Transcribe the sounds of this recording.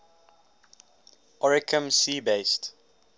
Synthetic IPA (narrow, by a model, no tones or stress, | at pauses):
ʔɔɹɪkʰə̃msiːbeɪst